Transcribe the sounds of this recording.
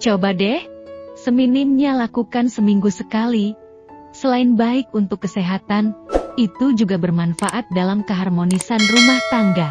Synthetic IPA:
t͡ʃawbadɛhsəminɪmɲalakukansəmiŋɡusəkali | səlaɪnbaɪk̚unt̪ʊkːəseɦat̪anit̪ud͡ʒuɡabərmanfaʔat̪̚dalamkəɦarmonisanrumaht̪aŋɡa

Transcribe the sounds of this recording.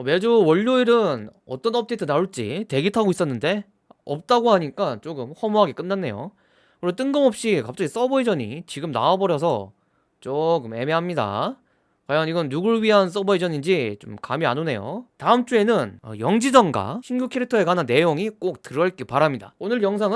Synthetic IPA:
ʌme̞d͡ʑowʌʎːuiɾɯnʌ̰t͈ʌnʌp̚t͈eitʰɯnauɭt͡ɕ͈ḭte̞ɡitʰaɡois͈ʌnːɯnde̞ | ʌp̚t͈aɡoɦaɲik͈at͡ɕoɡɯmhʌmoɦaɡek͈ɯnːanːe̞̰jo̰ | kɯɾit͈ɯŋɡɯmʌp̚ɕ͈ikap̚t͡ɕ͈aɡis͈ʌbʌid͡ʑʌɲḭt͡ɕiɡɯmna̰abʌɾjʌsʰʌ | t͡ɕokɯme̞me̞ɦamɲida̰ | kajʌniɡʌnːuɡɯɭɥiɦans͈ʌbʌid͡ʑʌɲind͡ʑit͡ɕo̰mkamia̰none̞̰jo̰taɯmt͡ɕ͈ue̞nɯn̰jʌŋd͡ʑid͡ʑʌnɡa̰ɕʰinɡjukʰeɾitʰʌe̞ɡanɯnːe̞joŋik͈ok̚tɯɾʌɭk͈ipaɾamɲida̰onɯɭjʌŋsʰaŋɯ

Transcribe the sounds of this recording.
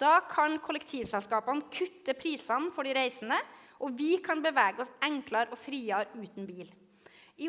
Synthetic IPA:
d̪̥ɑːkʰɑnkʰʊləkt̪ʰiːʋsɛlskɑːpɑnkʰʉt̪ːəpʰɾiːsɑnfɔɖiːɾæɪsənə | ʔɔʋɪkʰɑnbəʋæːɡəɔsɛŋklɑɾɔfɾiːɑɾʉːt̪nbiːl | ɪ

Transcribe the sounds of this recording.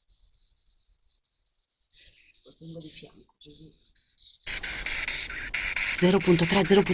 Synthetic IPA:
ot̪ɛŋɡod̪it͡ʃamkkozi | d̪zɛːɾopunt̪ot̪ɾɛd̪zɛːɾopu

